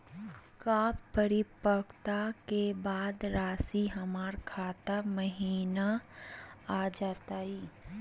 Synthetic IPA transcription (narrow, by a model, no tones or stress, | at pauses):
kaːppːəɾɪpəkt̪akebaːd̪ɾaːsiɦəmaːɾkʰaːt̪aməɦiːna | ad͡ʒaːt̪aːiː